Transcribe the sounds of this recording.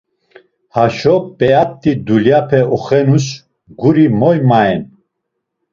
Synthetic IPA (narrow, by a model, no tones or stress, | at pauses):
haʃɔpʼɛap̚t̪ʼid̪uljapʰɛɔχɛnus | ɡuɾimɔjmaɛn